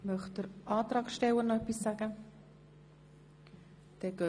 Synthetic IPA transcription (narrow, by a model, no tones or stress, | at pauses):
mœχtd̥əɾʔɑːt̪ɾɑːkʃtɛwənɛpːisːaɡ̥ə | d̥ɛːɡ̥ø